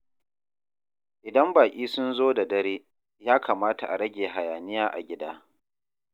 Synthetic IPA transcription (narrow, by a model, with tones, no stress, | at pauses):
ʔɪ˨dɐ˦mbaː˨kʲʼiː˦sʊ˦nzoː˦da˨dɐ˦ɾeː˦ | jaː˦kʰaː˨maː˦ta˨ʔa˨ɾɐ˦ɡʲeː˨ɦa˨jaː˨nɪ˦jaː˦ʔa̰˨ɡʲɪ˦daː˦